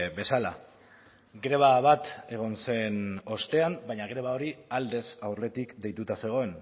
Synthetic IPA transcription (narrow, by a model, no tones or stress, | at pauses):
be̞sala̰ | ɡɾe̞β̞aβat̪e̞ɣ̞o̞nse̞no̞st̪e̞ambajɲaɣɾe̞β̞ao̞ɾiald̪e̞sawre̞t̪ikd̪e̞jt̪ut̪ase̞ɣ̞o̞e̞n